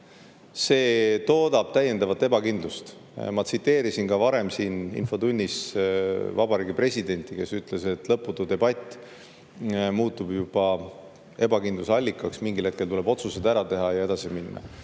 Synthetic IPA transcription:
se̞ːt̪o̞ːd̪̥ɑb̥̚t̪æjːe̞nd̪ɑvɑt̪ːˑe̞bɑkind̪lust̪ | mɑt̪sit̪ːe̞ːɾisinkɑvɑɾe̞msiːnḭnfo̞t̪unʲːis | vɑbɑɾiːɡipre̞sʲid̪̥e̞nʲt̪ˑike̞syt̪le̞se̞t̪ˑlɤpːˑut̪ːud̪e̞bɑt̪ʲːˑ | muːt̪ːˑubjub̥ɑ | e̞bɑkind̪lusɑlʲːikːˑɑksmiŋɡilhe̞t̪ke̞lt̪ule̞bo̞t̪suse̞d̪æɾɑt̪e̞ɦɑjɑe̞d̪ɑsiminːɑ̰

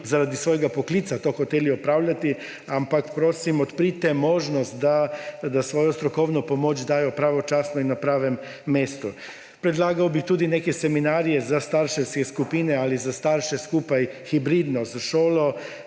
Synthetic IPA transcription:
zaɾad̪isʋoːjɡapokliːt̪sat̪oːxɔt̪eːliɔpɾaːwlʲjat̪i | ampakpɾoːsimɔt̪pɾit̪ɛmoːʒnɔst̪d̪ad̪asʋoːjɔst̪ɾɔkɔwnɔpomoːt͡ʃd̪aːjɔpɾaːʋɔt͡ʃaːsnɔinːapɾaːʋɛmː | eːst̪u | pɾɛd̪laːɡawbixt̪uːd̪inekɛsɛminaːɾijɛzast̪aɾʃɛwskɛskupiːnɛalizast̪aɾʃɛskupajxibɾiːd̪nɔzaʃoːlɔ

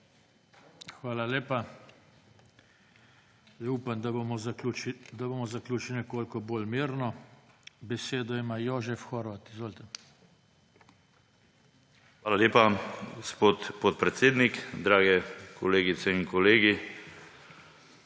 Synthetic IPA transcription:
xʋaːlaleːpa | jɛuːpənd̪amɔ | d̪aboːmɔzaklʲuːt͡ʃilʲnɛkoːlkɔboːlmiːɾnɔ | bɛseːd̪ɔimaːjoːʒɛfxɔːɾʋat̪izʋoːlt̪ɛ | xʋaːlaleːpaospot̪pot̪̚pɾɛt̪seːd̪nikd̪ɾaːɡɛkʰɔleːɡit̪sɛinkɔleːɡi

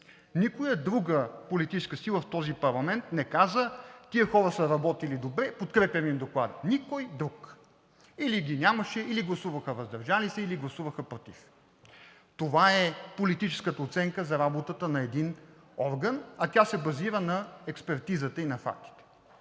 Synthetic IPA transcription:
nikojəd̪ɾuɡəpolit̪it͡ʃɛskəsilˠəft̪ɔzipɐɾlˠɐmɛnt̪nɛkazət̪iəxɔɾəsəɾɐbɔt̪ilid̪obɾɛpot̪kɾɛpʲjɐmimd̪oklˠad̪ənikɔjd̪ɾuk | iliɡʲinʲaməʃɛiliɡlˠɐsuvɐxəvɐzd̪ɐɾʒalisɛiliɡlˠɐsuvəxəpɾot̪ḭf | t̪ovaɛpolit̪it͡ʃɛ̥skət̪əot̪sɛŋkəzɐɾabot̪ət̪ənɐɛd̪in | ɔɾɡənɐt̪ʲasɛbɐziɾənɐɛkspɛɾt̪izət̪əinɐfa̰k̚t̪i̥t̪ɛ̥

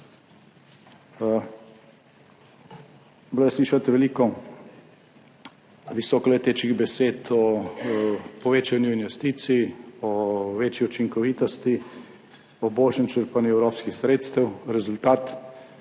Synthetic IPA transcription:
blɔjsliːʃat̪ʋɛliːkɔ | ʋisɔːkɔlɛt̪eːt͡ʃkiɣbɛseːt̪ɔ | pɔʋeːt͡ʃanjuinʋɛst̪iːt̪siːɔʋeːt͡ʃjiut͡ʃiŋkɔʋiːt̪ɔst̪i | ɔboːlʃɛmt͡ʃəɾpanjuɛwɾoːpskixsɾeːt̪st̪ɛwɾɛzult̪aːt̪

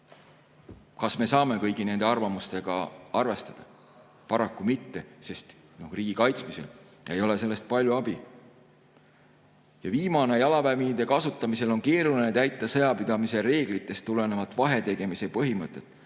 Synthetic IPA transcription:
kɑsme̞sɑːme̞kɤjɡ̥ine̞nd̪̥e̞ɑrvɑmust̪e̞ɡ̥ɑ̰ɑrve̞st̪ɑd̪̥ɑ | pɑɾɑkːˑumit̪ːe̞se̞st̪ | no̞hriːɡ̥ikɑjt̪smise̞̰l | e̞jo̞le̞se̞lːe̞st̪̚pɑlʲjuɑbi | jɑviːmɑne̞jɑlɑvæminid̪e̞kɑsut̪ːˑɑmise̞lo̞nŋke̞ːɾulinet̪æjt̪ːˑɑsɤ̞jɑpid̪̥ɑmise̞ɾe̞ːɡ̥lit̪ːˑe̞st̪ːule̞ne̞vɑt̪ːˑvɑɦe̞t̪e̞ɡ̥e̞mise̞pɤɦimɤt̪ːˑe̞t̪ːˑ

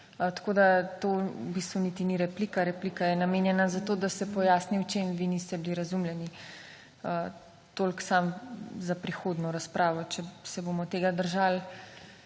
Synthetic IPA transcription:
t̪kod̪at̪obist̪ʋunit̪iniɾɛplikaɾɛplikajɛnameːnjɛnazat̪oːd̪asɛpɔjaːsniwt͡ʃemʋinist̪ɛbliɾɐzumljɛni | ə | t̪olksamzapɾixoːd̪nɔɾaspɾʔaːʋɔt͡ʃɛsɛbomɔt̪eːɡad̪əɾʒal

